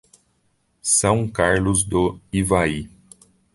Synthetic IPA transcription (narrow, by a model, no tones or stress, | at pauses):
sɐ̃w̃kaɾlʊzd̪ʊivai